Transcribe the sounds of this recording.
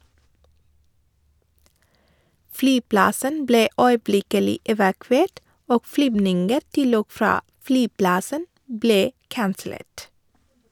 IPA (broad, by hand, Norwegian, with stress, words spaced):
ˈflyːˌplɑsən ˈbleː œʏˈblɪkəlɪ ɛʋɑˈkʋeːʈ ˈoːɡ ˈflyːbnɪŋɡəɾ ˈtɪl ˈoːɡ ˈfɾɑː ˈflyːˌplɑsən ˈbleː ˈkɑnsl̩ˌeːʈ